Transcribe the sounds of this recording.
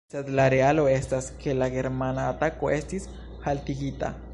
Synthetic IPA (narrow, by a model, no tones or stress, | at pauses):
sed̪laɾealoestaskʰe̞laɡe̞ɾmanaːt̪akoe̞stis | halt̪iɡit̪a̰